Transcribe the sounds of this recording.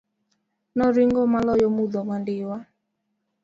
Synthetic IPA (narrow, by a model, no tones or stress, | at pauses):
nɔɾiŋɡɔmalɔjɔmuðɔmandɪwa